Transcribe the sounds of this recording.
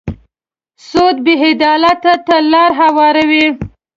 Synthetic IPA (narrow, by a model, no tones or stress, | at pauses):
sod̪̚bɪɦed̪ɑlat̪at̪əlɑɾɦawɑɾawi